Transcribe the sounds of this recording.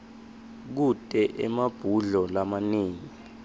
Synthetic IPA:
k̬utʼɛʔɛmab̥ʱuɮɔlamaniːŋi

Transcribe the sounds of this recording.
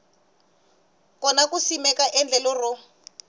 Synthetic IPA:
kɔnakusimɛkaʔɛnd͡ɮɛlɔrʊ

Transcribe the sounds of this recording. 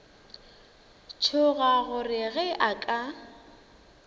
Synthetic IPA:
t͡ʃʰʊɣaɣʊrɪɣɛʔakʼa

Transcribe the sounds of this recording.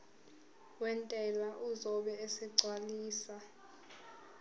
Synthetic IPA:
wɛntʼɛlwaʔuzɔɓɛesɛǀʱwaliːsa

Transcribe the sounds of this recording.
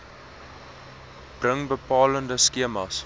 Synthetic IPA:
b̥rəŋbəpɑːləndəskiəmɐs

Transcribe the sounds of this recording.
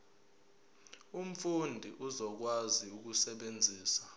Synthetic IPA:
um̩fundʱiʔuzɔk̬waziuk̬usɛɓend͡zʱiːsḁ

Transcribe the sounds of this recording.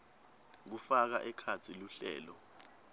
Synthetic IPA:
k̬ufak̬aʔɛkʰat͡sʰiluɬɛ̰ːlɔ

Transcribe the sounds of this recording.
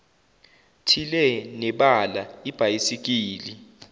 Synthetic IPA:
tʰilɛnɛɓalaib̥ʱajisik̬iːli

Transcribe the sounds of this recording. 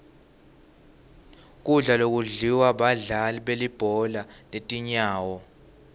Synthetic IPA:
k̬ʼuɮalok̬ʼuɮiwaɓaɮaliɓelib̥ʱɔlaletʼiɲaːwɔ

